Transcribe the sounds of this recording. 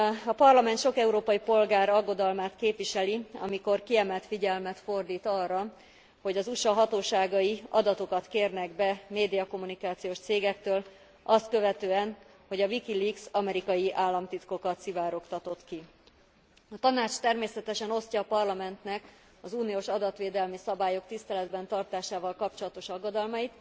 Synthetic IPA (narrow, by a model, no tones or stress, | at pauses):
ɒpɒrlɒmɛnt̪ʃo̞kɛuɾoːpɒjipo̞lɡaːɾɒɡːo̞d̪ɒlmaːt̪keːpʋiʃɛliɒ̰miko̞rkiɛmɛlt̪fiɟɛlmɛt̪fo̞rd̪iːt̪ɒrːɒ | ho̞ɟɒzuʃɒɦɒt̪oːʃaːɡɒjiɒd̪ɒt̪o̞kɒt̪keːrnɛɡbɛmeːd̪ijɒko̞mːunikaːt̪sijoːʃt̪seːɡɛkt̪øːl | ɒst̪̚kø̞vɛt̪øːɛn | ho̞ɟɒvikiliksɒmɛɾikɒjiʔaːlːɒmt̪it̪ko̞kɒt̪sivaːɾo̞kt̪ɒt̪o̞t̪ki | ɒt̪ɒnaːt͡ʃt̪ɛrmeːsɛt̪ɛʃɛno̞scɒːpɒrlɒmɛnt̪nɛk | ɒzuːnijoːʃɒd̪ɒt̪ʋeːd̪ɛlmisɒbaːjo̞kt̪ist̪ɛlɛd̪bɛnt̪ɒrt̪aːʃaːvɒlkɒpt͡ʃo̞lɒt̪o̞ʃɒɡːod̪ɒlmɒjit̪